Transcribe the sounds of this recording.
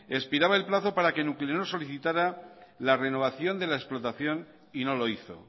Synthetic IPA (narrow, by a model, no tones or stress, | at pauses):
e̞spiɾaβae̞lplaθo̞paɾake̞nuklenoso̞liθit̪aɾalare̞no̞β̞aθjo̞nd̪e̞laesplo̞t̪aθjo̞n | ino̞lo̞iθo̞̰